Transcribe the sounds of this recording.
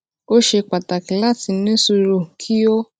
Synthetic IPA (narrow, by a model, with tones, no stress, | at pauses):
o˦ʃe˧k͡pa˨ta˨ki˨˦la˦ti˧˦nĩ˦su˧ɾo˦˨kʰi˦o˦